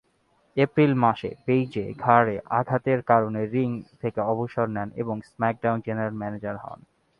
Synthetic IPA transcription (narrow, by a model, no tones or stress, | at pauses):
epɾilmaʃḛpejd͡ʑḛɡʱaɾeʔa̰ɡʱat̪eɾkaɾoneɾiŋt̪ʰekeɔboʃoɾnɛnḛboŋsmɛk̚ɖawnd͡ʑeneɾalmɛned͡ʑaɾɦɔ̰n